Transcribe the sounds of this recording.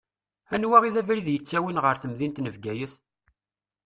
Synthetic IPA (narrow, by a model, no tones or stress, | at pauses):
ænwæʁiðævɾiðjət͡sːæwinʁəɾθəmðint̪nəvɡæjəθ